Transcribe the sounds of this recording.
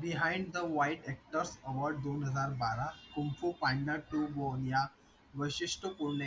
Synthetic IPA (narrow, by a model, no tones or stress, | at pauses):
biɦãɪ̃ɳɖd̪əʋajʈɛk̚ʈəɾsəʋəɾɖ̚d̪onɦəd͡zaɾbaɾakumfupãɳɖaʈubɔnja | ʋəɕiʂʈʰəpuɾɳa